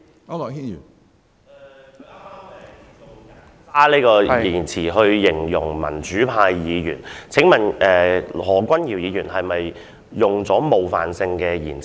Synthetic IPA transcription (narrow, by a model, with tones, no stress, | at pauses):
i˥˨˩ | aː˥liː˥kɔː˧jiː˨˩nt͡sʰiː˨˩ɦɵ˧ɥjɪ˨˩ŋjʊ̰˨˩ŋmɐ̰˨˩nt͡ʃyː˨˥pʰaː˧jjiː˨˧jy̰ː˨˩nt͡sʰɪ˨˥ŋmɐ˨˩nʔɛː˨hɔː˨˩kʷɐ˥njiː˨˩wjiː˨˧jyː˨˩nɦɐ˨jmɐ˨j | jʊ˨ŋt͡sɔː˨˥mo˨wfa̰ː˨nsɪ˧ŋkɛː˧jiː˨˩nt͡sʰ